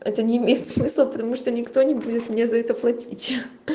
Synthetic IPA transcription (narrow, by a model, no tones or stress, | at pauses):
ɛt̪ənʲɪːmʲejɪt̪smɨslˠəpət̪ɐmuʂt̪onʲɪkt̪o̞nʲɪbudʲɪt̪mʲnʲezɐɛt̪əplˠɐtʲitʲ